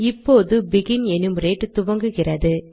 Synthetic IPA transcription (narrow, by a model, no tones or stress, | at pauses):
ɪpːoːðɯbɪɣɪnɛnɯmɾeːʈːɯt̪ʊʋɐŋɡɯɣɪrɐðɯ